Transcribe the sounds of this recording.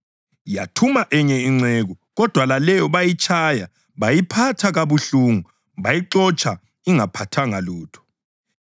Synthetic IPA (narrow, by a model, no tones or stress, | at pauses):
jatʰumaʔɛɲɛiŋ͡ǀɛɣu | ɣɔd̥ʱwalalɛjɔβajit͡ʃʰʼaja | βajipʰatʰaɣaβuɬuːŋu | βajiǁɔt͡ʃʼʰa | iŋapʰatʰaŋaluːtʰɔ̥